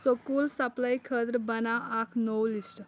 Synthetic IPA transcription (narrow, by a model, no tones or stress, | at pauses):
sokuːlsəplaikʰəd̪ɾbənaakʰnowlisʈ